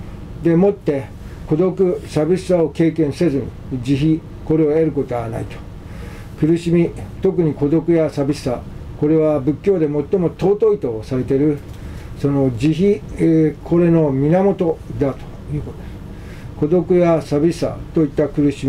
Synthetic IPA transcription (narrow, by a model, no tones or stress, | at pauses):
d̪e̞mo̞t̪ːe̞ | ko̞d̪o̞kɯ̟sabʲisi̥sao̞ke̞ːkẽɰ̃se̞zɨɲi | d͡ʑiçi | ko̞ɾe̞oeɾɯ̟kot̪o̞ɡa̰na̰it̪o̥ | kɯ̟ɾɯ̟ɕimʲit̪o̞kɯ̟ɲ̟iko̞d̪o̞kɯ̟jasabʲisɨ̥sako̞ɾe̞β̞abɯ̟kʲːo̞ːd̪e̞mo̞t̪ːo̞mo̞t̪o̞ːt̪o̞it̪o̞ːsaɾe̞t̪e̞ɾɯ̟ | so̞no̞d͡ʑiçi | kʰoɾe̞no̞mʲinamo̞t̪o̞d̪at̪o̥ | jɯ̟kot̪od̪es | ko̞d̪o̞kɯ̟jasabʲissa̰t̪o̞it̪ːakɯ̟ɾɯ̟ɕimi